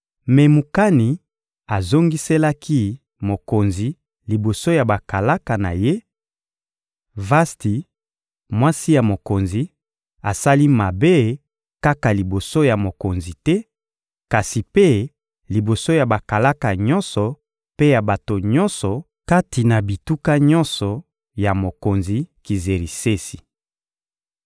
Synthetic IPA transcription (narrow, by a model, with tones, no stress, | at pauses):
mɛ˨mu˨ka˦ni˨ | a˨zo˦ŋɡi˦sɛ˦la˦kʰi˦ | mo˨ko˨nzi˨ | li˨bo˨so˦ja˨ba˨ka˨la˦ka˨na̰˨je˦ | va˦sti˨ | mwa˦si˦ja˨mo˨ko˨nzi˨ | a˨sa˦li˦ma˨be˦ | ka˦ka˨li˨bo˨so˦ja˨mo˨ko˨nzi˨tɛ˦ | ka˨si˨pe˦ | li˨bo˨so˦ja˨ba˨ka˨la˦ka˨ɲɔ˦nsɔ˨ | pe˦ja˨ba˨to˨ɲɔ˦nsɔ˨ | ka˦ti˨na˨bi˨tu˦ka˦ɲɔ̃˦nsɔ˨ | ja˨mo˨ko˨nzi˨ki˨ze˨ʁi˨se˦si̥˨